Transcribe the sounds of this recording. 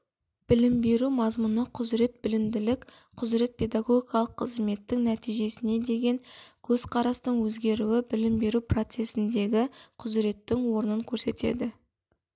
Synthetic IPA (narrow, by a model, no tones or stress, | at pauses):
b̥ɪlɪmbe̞ɾumɑzmʊnəqʰʊzɾe̞t̪̚bɪlɪmd̪ɪlɪkʲ | qʰʊzɾe̞t̪̚pʰe̞d̪aɡo̞ɡʲikɑlˠəqʰːəzme̞t̪ːɪŋnæt̪ijʒe̞sɪne̞d̪e̞ɡʲe̞ŋkʲʰɵz̥qʰɑɾɑst̪əɴwɵzɡʲe̞ɾuwɪbɪlɪmbe̞ɾupro̞t̪se̞sɪnd̪e̞ɡʲɪqʰʊzɾe̞t̪ːɪŋwo̞ɾnəŋkʲʰɵɾse̞t̪e̞̰d̪ɪ